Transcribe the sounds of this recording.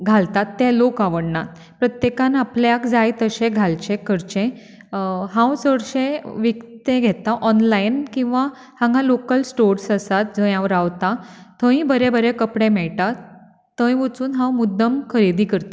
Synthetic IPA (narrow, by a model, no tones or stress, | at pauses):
ɡʱalt̪at̪ːelokaʋəɽnat̪ | pɾət̪jekãnapljakd͡zajt̪əɕẽɡʱalt͡ɕẽkʰəɾt͡ɕẽ | ɦãwsəɽɕẽʋikt̪ẽɡʱet̪aʔɔnlainkĩw̃ʋa | hãŋɡʱãlokəlsʈoɾsəsat̪̚d͡zə̃jãʋəɾaʋt̪at̪ʰə̃ɦĩbəɾebəɾekəpɽẽmɛɭt̪at̪ː | ə̃j̃ʋət͡suːnɦãwmud̪ːəmkʰəɾed̪iːkəɾt̪a